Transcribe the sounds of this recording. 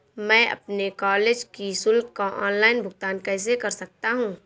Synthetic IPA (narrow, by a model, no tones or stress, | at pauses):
mɛ̃ːʔɐ̰pnekɔːleːd͡ʒkisʊlkkaʔɔːnlaːɪnbʱʊɡ̚t̪aːnkɛːs̬ekɐɾsɐk̚t̪aɦũː